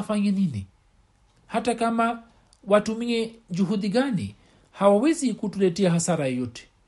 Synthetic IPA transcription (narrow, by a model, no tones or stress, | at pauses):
faɲɛninḭ | hatakama | watumiɛd͡ʒuɦuɗiɠanḭ | hawawɛzikutulɛtɛaɦasaɾajɔjɔtɛ̥